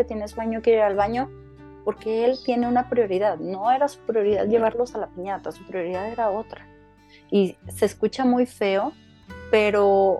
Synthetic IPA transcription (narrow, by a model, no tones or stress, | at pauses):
et̪je̞nesβaɲokeɾiɾalβaɲo̞ | po̞ɾke̞elt̪je̞ne̞unapɾjo̞ɾiðaðno̞e̞ɾasu̥pɾjo̞ɾiða̰ðʝe̞β̞aɾlo̞salapiɲat̪asupɾjo̞ɾiðaðe̞ɾao̞t̪ɾa | ise̞skut͡ʃamujfe̞o̞ | pe̞ɾo̞